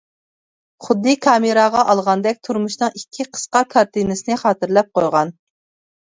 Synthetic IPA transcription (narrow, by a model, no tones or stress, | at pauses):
χʊd̪ːɨkʰɑːmɨɾɑʁɑʔɑlˠʁɑnd̪ɛk̚ʲt̪ʰuɾmuʃnɨŋikʲʰːiqʰə̥sqɑkʰɑɾt̪ɨnɨsɪnɪχɑːt̪ɨɾlɛp̚qʰojʁɑn